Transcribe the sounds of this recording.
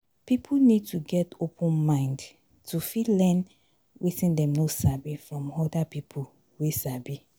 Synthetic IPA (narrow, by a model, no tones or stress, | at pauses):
pipʰunid̚tʰuɡɛtopʰə̃nmãɪ̃nd | tʰufitlɛ̃n | witĩndɛ̃mnosabifɹɔ̃mɔdapipʰu | wesabi